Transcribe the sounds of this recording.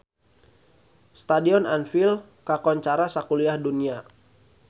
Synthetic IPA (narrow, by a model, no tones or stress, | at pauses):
st̪adiɔnanfil | kakɔɲt͡ʃaɾasakuliahdunia